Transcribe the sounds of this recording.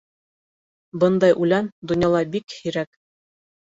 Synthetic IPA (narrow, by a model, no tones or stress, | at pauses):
bɤnd̪ɑjʔʉlænd̪ŏnjɑlˠɑbikhiɾæk